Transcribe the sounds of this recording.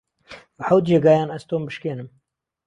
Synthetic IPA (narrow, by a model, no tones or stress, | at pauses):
bəħawd̪̚d͡ʒeːɡɑːjaːnɐz̥t̪oːmbɨʃkeːnɨm